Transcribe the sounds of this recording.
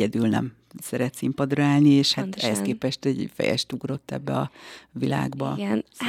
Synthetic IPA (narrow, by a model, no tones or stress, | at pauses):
ɛd̪ylnɛ̰m | sɛɾɛt̪simpɒd̪rɒaːlnieːʃhat̪ɛhɛskeːpɛʃt̪ɛɟfɛ̰jɛ̰ʃt̪uɡro̞t̪ːɛ̰bːɛɒvila̰ːɡbɒn